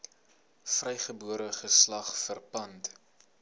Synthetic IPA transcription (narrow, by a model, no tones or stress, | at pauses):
frɛjχəbuəɾəχəslɐχfərpɐnt